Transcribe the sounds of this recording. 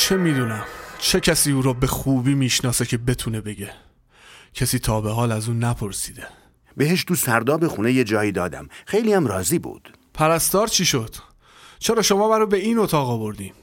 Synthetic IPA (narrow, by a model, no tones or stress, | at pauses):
t͡ʃʰe̞miːd̪uːnæmt͡ʃʰe̞cʰæsiːuːɾɔːbe̞xuːbiːmiːʃnɒːse̞cʰe̞be̞t̪ʰune̞be̞ɟe̞ | cʰæsiːt̪ʰɒːbe̞ɦɒːlæzuːnæpʰo̞ɾsiːd̪e | beɦeʃ̬t̪usæɾd̪ɒːbexunejed͡ʒɒːjiːd̪ɒːd̪æ̰mxejliːæmɾɒːziːbṵːd̪̥ | pʰæɾæst̪ɒːɾt͡ʃʰiːʃo̞d̪̥ | t͡ʃʰe̞ɾɒːʃo̞mɒːmæɾube̞iːnot̪ʰɒːɣɒvo̞ɾd̪iːm